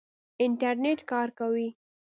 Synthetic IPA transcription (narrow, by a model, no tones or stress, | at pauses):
ɪnʈaɾneʈkɑɾkawi